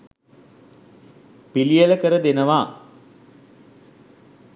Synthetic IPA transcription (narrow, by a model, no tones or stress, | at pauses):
pilijələkəɾəd̪enəʋaː